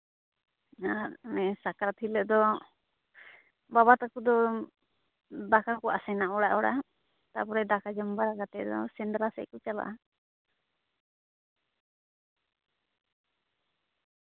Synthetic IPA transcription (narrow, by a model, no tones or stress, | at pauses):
aɾnɛsakaɾat̪ʰilɛʔd̪ɔ | babat̪akud̪ɔ | d̪akakɔʔa̰sɛnaʔɔɽa̰ʔɔɽa̰ | t̪a̰pɔɾɛd̪akad͡ʒɔmbaɾaɡat̪ɛd̪ɔsɛndɾasɛ̰ʔkɔt͡ʃala̰ʔa